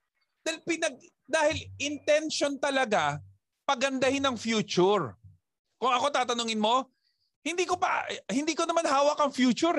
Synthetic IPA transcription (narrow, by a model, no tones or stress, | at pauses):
d̪alpɪnɐɡ̚ | d̪aːhɪlʔɪnt̪ɛnʃont̪ɐlɐɡa | pɐɡɐnd̪ɐhɪnɐŋfjuːt͡ʃʊɹ | kʊŋɐko̞t̪aːt̪ɐnoŋɪnmo̞ | hɪnd̪iːkopɐ̰hɪnd̪iːkonɐmanɦaːwɐkɐŋfjuːt͡ʃʊɾ